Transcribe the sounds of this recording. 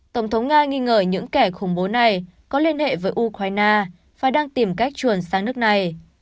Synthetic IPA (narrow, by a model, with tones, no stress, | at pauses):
t̪ə˧˩wŋ͡mt̪ʰə˨˦wŋ͡mŋaː˧ŋi˧ŋəː˧˩ɲɨ̰˧˥ŋkɛ˧˩xʊ˧˩ŋ͡mɓo˨˦na˨˩jkɔ˨˦li˧ənhḛ˧˨vəː˨˦jʔu˧kwaː˧jnaː˧ | faː˨˩jɗaː˧ŋt̪i˧˩mka˦˥jk̟̚t͡ɕwu˧˩ənsaː˨˧ŋnɨ˦˥ək̚na˨˩j